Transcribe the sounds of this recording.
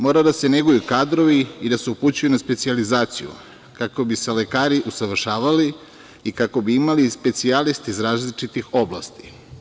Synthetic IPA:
mo̞ːɾad̪ase̞neɡujukaːd̪ɾo̞ʋiid̪ase̞uput͡ɕujunaspe̞t̪sializaːt̪sḭjṵ | kako̞bise̞le̞kaːɾiʔusaʋr̩ʃaːʋaliː | kako̞biimalispe̞t̪sialist̪izɾaːzlit͡ʃit̪ixo̞blˠa̰st̪i̥

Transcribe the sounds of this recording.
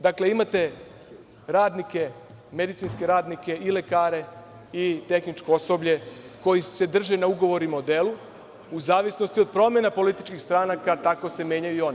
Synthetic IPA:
d̪akle̞imat̪e̞ | ɾaːd̪nike̞ | me̞d̪it̪sinske̞ɾaːd̪nike̞ile̞kaːɾe̞ | it̪e̞xnit͡ʃkooso̞bʎe̞ko̞jise̞d̪r̩ʒenauɡo̞ʋo̞ɾimaod̪elu | uzaːʋisno̞st̪io̞d̪̚pɾo̞me̞napo̞lit̪i̥t͡ʃkixst̪ɾaːnakat̪ako̞se̞mje̞ːɲajuio̞ni

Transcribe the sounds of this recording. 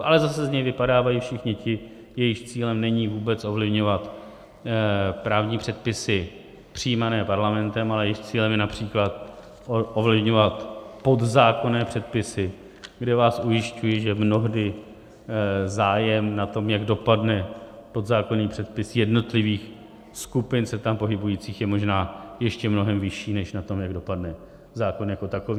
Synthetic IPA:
ʔalɛzasɛzɲɛjvɪpadaːvajifʃɪxɲɪcɪ | jɛjɪxt͡siːlɛmnɛɲiːvuːbɛt͡sʔo̞vlɪvɲo̞vat̪ | pɾaːvɲiːpr̝̥ɛt̪̚pɪsɪ | pr̝̥ijmanɛːpaɾlamɛnt̪ɛmalɛjɛjɪxt͡siːlɛmjɛnapr̥iːklat̪ | ʔovlɪvɲo̞vat̪po̞d̪zaːko̞nɛːpr̥ɛt̪̚pɪsɪ | ɡdɛvaːsʔujɪscujɪʒɛmno̞ɦdɪ | zaːjɛmnat̪o̞mjaɡdo̞padnɛpo̞d̪zaːko̞niːpr̥ɛt̪̚pɪsjɛdno̞t̪lɪviːx | skupɪnsɛt̪ampo̞ɦɪbujiːt͡siːxjɛmo̞ʒnaːjɛʃcɛmno̞ɦɛmvɪʃiːnɛʃnat̪o̞mjaɡdo̞padnɛ | zaːko̞njakot̪ako̞viː

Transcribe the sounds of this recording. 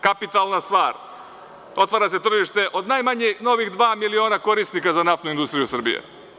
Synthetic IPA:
kapit̪alˠnast̪ʋaːɾ | o̞t̪ʋaːɾase̞t̪r̩ʒiʃt̪e̞ʔo̞d̪najmaɲeno̞ʋixd̪ʋaːmilio̞ːnako̞ɾisnikazanaft̪nuind̪ust̪ɾijusr̩bḭjḛ

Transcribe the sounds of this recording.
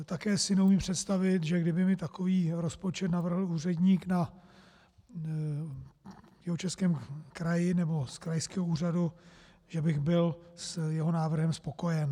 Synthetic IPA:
t̪akɛːsɪnɛumiːmpr̝̥ɛt̪st̪avɪt̪ʒɛɡdɪbɪmɪt̪akoviːɾo̞spo̞t͡ʃɛt̪navr̩ɦl̩uːrɛdɲiːkna | jɛɦot͡ʃɛskɛːmkɾajɪnɛbo̞skɾajskɛːɦouːr̝adu | ʒ̥ɛbɪɣbɪlsjɛɦo̞naːvr̩ɦɛmspo̞ko̞jɛn

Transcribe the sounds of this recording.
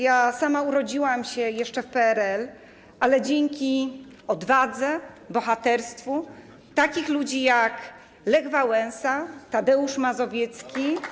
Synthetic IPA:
jasamauɾɔd͡ʑiwamɕɛjɛʂt͡ʂɛfpɛɛɾɛl | ʔalɛd͡ʑeŋkʲi | ɔd̪vad̪zɛbɔxat̪ɛɾst̪fu | t̪akʲixlud͡ʑijak | lɛɡvawɛnsat̪ad̪ɛuʂmazɔvʲjɛt̪skʲi

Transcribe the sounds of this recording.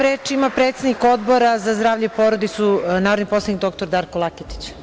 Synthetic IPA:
ɾeːt͡ʃimapɾet̪sed̪niko̞d̪bo̞ɾazazd̪ɾaːʋʎeipo̞ɾod̪it̪sunaːɾod̪nipo̞slˠanik̚d̪o̞k̚t̪oɾd̪aːɾkolˠaket̪i̥t͡ɕ

